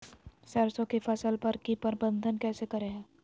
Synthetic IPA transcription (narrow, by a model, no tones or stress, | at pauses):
sɐɾsõkefɐsəlpɐɾkipɐɾbə̃nd̪ʱənkɛːsekɐɾeɦɛ̃ː